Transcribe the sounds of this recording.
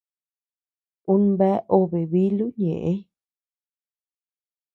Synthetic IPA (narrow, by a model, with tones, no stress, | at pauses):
u˦nbɛ˦ʔo˦βe˨βi˦lu˦ɲḛ̃˨ʔẽ˦